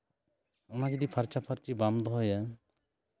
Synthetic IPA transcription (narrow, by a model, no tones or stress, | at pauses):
ɔnad͡ʒɔd̪ipʰaɾt͡ʃapʰaɾt͡ʃibamd̪ɔɦɔja